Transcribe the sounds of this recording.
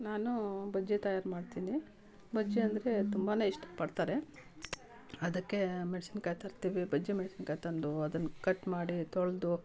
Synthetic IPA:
naːnubɐd͡ʒːit̪ɐjaːɾmaːɖt̪iːni | bɐd͡ʒːiɐnd̪ɐɾe̞t̪umbaneːiʂʈɐ̥pɐɽt̪aːɾe̞ | ɐd̪ɐkːe̞meɖsinkajt̪ɐɾt̪iːʋibɐd͡ʒːimeɽsinkajt̪ɐnd̪uɐd̪ɐnːkɐʈːmaːɽit̪oɭd̪u

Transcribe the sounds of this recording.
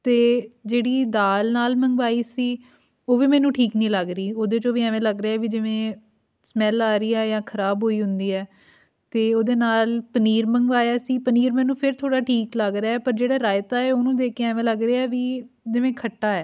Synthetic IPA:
t̪eːd͡ʒeːɽiːd̪aːlnaːlməŋɡʋaːiːsiː | oːʋiːmɛ̃ːnũːʈʰiːknĩːləɡɾiːoːd̪eːt͡ʃõːʋiːɛːʋẽːləɡɾeɛːʋiːd͡ʒɪʋẽː | smɛlaːɾiːaːjãːkʰəɾaːbɦoːiːɦʊnd̪iːɛː | t̪eːoːd̪eːnaːlpəniːɾməŋɡʋaːjaːsiːpəniːɾmɛ̃ːnũːpʰɪɾt̪ʰoːɽaːʈʰiːkləɡɾaːɛːpəɾd͡ʒeːɽaːɾaːɪt̪aːɛːoːnũːd̪eːkeɛːʋẽːləɡɾeːɛːʋiː | d͡ʒɪʋẽːkʰəʈːaːɛː

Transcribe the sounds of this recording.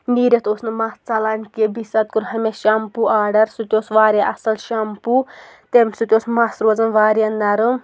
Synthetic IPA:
niːɾʲet̪osnɨmast͡sɐlaːnʲkebisɐt̪̚kuɾɦɐmeʃɐmpuʔaːɖɐɾsut̪ʲosʋaːɾʲjaʔɐsɐlʃɐmpu | t̪emʲsut̪ʲosmasɾoːzɐnʋaːɾʲjanːɐɾɨ

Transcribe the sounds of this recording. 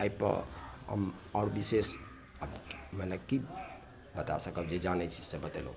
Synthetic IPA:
ajpə̰ɦə̰mɔɾbises | əbmələki | bət̪a̰səkəbd͡ʒed͡ʒanɛt͡ʃʰi̥sebət̪elo̰

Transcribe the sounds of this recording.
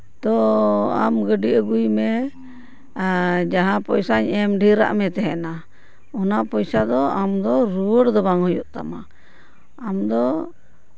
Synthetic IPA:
t̪ɔamɡəɖiʔəɡujmɛ | d͡ʒaɦãpɔjsaɲɛmɖʱiɾa̰ʔmɛt̪ɛɦɛna | ɔnapɔjsad̪ɔamd̪ɔɾuwəɽd̪ɔbaŋɦɔjuʔt̪a̰maː | md̪ɔ

